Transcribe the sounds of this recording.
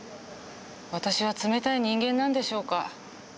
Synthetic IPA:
βat̪aɕiβ̞at͡sɨme̞t̪aiɲ̟ĩŋɡẽ̞nːãnd̪e̞ɕo̞ːka

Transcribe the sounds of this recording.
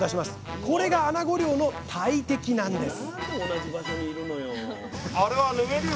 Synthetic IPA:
d̪aɕimasɨ̥ko̞ɾe̞ɡaːnaɡo̞ɾʲo̞ːno̞t̪ʰait̪e̞kʲinãnd̪aoː | naʑibaɕoɲ̟iːɾɯ̟no̞jo | aɾeβanɯ̟ɡeɾɯ

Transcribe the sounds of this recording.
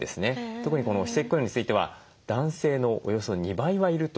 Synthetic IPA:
e̞sɨne̞t̪o̞kɯ̟ɲ̟iko̞no̞çi̥se̞kʲkːojõɲ̟it͡sɨit̪e̞βa̰ | d̪̥ãɰ̃se̞ːno̞ʔo̰jo̞so̞ɲ̟ibaiβaiɾɯ̟t̪o

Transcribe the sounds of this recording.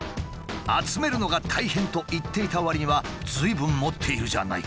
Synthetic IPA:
at͡sɨme̞ɾɯ̟no̞ɡat̪ʰaihẽ̞nt̪o̞ʔit̪ːe̞it̪aoβaɾʲiɲ̟iβad͡zɨibɯ̟̃mmo̞t̪ʰːe̞iɾɯ̟ʑa̰na̰ḭ

